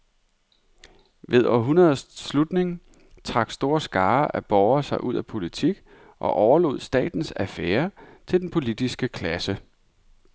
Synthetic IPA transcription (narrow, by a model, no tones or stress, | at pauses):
ʋe̝ð̞ˠɒ̰ɦunɐðˠslud̥ne̝ŋ | t͡sʰʁɑ̈ɡ̥sd̥o̝ːɐsɡ̥ɑ̈ːʔæb̥ɒʊɐsɑ̈ɪʔuð̞̰ˠæpʰo̝lit͡sʰiɡ̥ | ʔɒ̽ʔɒʊɐlo̝ð̞̰ˠsd̥ɛ̰ːd̥n̩sæfeːɐt͡sʰe̝ld̥enpʰo̝lid̥isɡ̥əkʰlæsə